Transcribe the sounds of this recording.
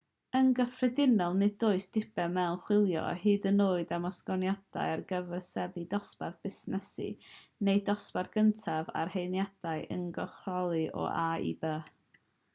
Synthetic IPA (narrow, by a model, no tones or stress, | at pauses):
ənɡəfrɛdɪnɔlˠnɨdoːɨsd̥ɪb̥ɛmɛlnχwɪlˠjɔ̰hɨːdənoːɨdamɔskɔnjad̥a̰jarɡəvɛrsɛðidɔspardb̥ɪsnɛsɨ̰nejdɔsparθɡ̥əntʰava̰rhejnjad̥aɨʔə̰nɡɔχrɔlˠɨʔɔ̰ʔaḭbəː